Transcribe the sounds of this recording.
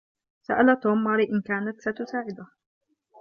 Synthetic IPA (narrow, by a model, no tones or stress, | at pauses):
sa̰ʔalat̪oːmːɑɾɪʔɪnkaːnat̪sat̪ʊsaːʕɪd̪ʊh